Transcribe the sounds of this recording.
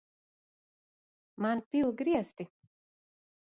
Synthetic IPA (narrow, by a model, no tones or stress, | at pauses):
manpʲilˠɡɾiɛst̪i